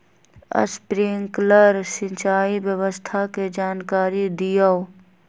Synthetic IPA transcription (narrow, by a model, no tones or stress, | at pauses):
ə̰spɾiŋkləɾsɪ̃nt͡ʃaːibjəwəst̪ʰaked͡ʒaːnkaːɾid̪ijə